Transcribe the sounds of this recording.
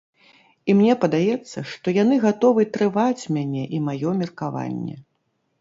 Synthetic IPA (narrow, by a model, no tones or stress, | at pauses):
imnʲɛpɐd̪ajɛt̪sːɐʂt̪ɔjanɨɣat̪ɔvɨt̪ɾɨvat͡sʲmʲanʲɛʔimajɔmʲirkava̰nʲːɛ̰